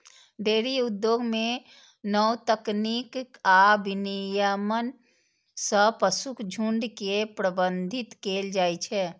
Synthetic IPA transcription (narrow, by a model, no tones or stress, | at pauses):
ɖ̪eːɾiud̪joɡme | nəwt̪əknikabʱinijəmən | sə̃pəsukʰd͡ʒʱuɳɖkepɾəbənd̪ʱit̪keːld͡ʒaːjt͡ʃʰɛ